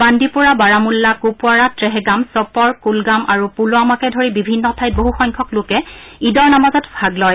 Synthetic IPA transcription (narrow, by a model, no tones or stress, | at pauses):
bandipuɹabaɹamulːakupʊaɹatɹɛɦɛɡamsɔpɔɹkulɡamʔaɹupulʊamakɛdʱoɹibibʱinːɔtʰajt̚boɦuxɔjŋkʰɔklʊkɛ | idɔɹnamazɔtbʱaɡlɔj